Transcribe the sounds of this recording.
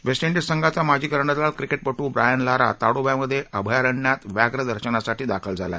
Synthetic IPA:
ʋesʈiɳɖisəŋɡʱat͡samad͡ʑʱiːkəɾɳəd̪lalkɾikeʈ̚pəʈũːbɾajənlaɾa̰t̪aɽobjaməd̪ʱːjeʔəbʱəjaɾəɳːjat̪ʋjaɡɾəd̪əɾɕənasaʈiːd̪akʰəld͡zʱala̰

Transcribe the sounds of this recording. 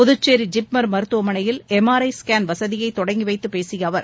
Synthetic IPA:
pʊðɯt͡ʃːeːɾid͡ʒɪpmɐɾmɐɾɯt̪ːɯʋɐmɐɳɐjɪlɛmaːɾɐɪskaːnʋɐsɐðɪjɐɪt̪ːɔɽɐŋɡiʋɐɪt̪ːɯpeːsɪjɐːʋɐɾ

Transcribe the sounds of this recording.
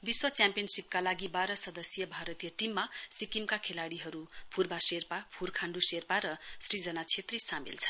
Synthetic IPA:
biswʌt͡sjampijʌnsipkalaɡibaɾʌsʌd̪ʌsjʌbʱaɾʌt̪ijʌʈimːasikimkakʰelaɽiɦʌɾupʰurbaserpapʰurkʰaɳɖuserpaɾʌsrid͡zʌnat͡sʰet̪risamḭlt͡sʰʌ̥n

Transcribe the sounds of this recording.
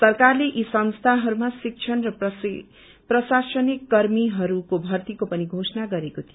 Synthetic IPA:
sʌrkarleʔisʌnst̪ʰaɦʌɾumasik̚t͡ʃʰʌnrʌ | prʌsasʌnikːʌrmiɦʌɾukobʱʌrt̪ikopʌniɡʱosʌnaɡʌɾekot̪ʰio

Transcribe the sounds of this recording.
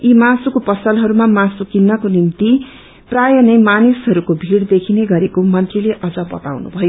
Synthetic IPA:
imasukopʌsʌlɦʌɾumamãsukinːʌkonimt̪i | prajʌnʌjmanisɦʌɾukobʱiɽd̪ekʰineɡʌɾekomʌnt̪rileʔʌd͡zʌbʌ̰t̪a̰wnṵbʱʌjo

